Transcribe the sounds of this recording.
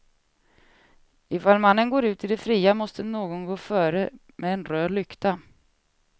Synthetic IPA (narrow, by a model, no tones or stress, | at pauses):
ɪfaːlmanːənɡoːɾʉ̟ːt̪ɪd̪ɛfɾiːamɔst̪ənoːɡɔnɡoːfœːɾə | mʔɛɛnɾøːlʏkt̪a